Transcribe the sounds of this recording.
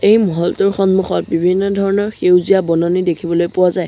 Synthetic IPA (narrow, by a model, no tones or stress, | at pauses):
ejmɔɦɔltuɹxɔnmuxɔt̚bibʱinːɔdʱɔɹɔnɔɹxewzijabɔnɔnidekʰibɔlojpʊwazaj